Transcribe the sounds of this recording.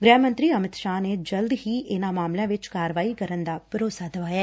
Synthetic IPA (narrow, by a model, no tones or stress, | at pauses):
ɡɾɛːmənt̪ɾiːəmɪt̪ʃaːneːd͡ʒəld̪ɦiːʔɪnãːmaːmlãːʋɪt͡ʃkaːɾəʋaːiːkəɾənd̪aːpəɾoːsaːd̪əʋaːjaː